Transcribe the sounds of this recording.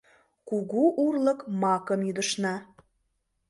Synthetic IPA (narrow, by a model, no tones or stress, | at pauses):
kuɣuʔurləkmɑkəmjyd̪əʃnɑ